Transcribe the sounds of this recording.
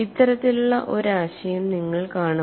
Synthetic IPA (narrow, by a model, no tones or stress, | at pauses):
it̪ːɐɾɐt̪ːiluɭːɐʔo̞ɾaːɕɐjumniŋːɐɭkaːɳu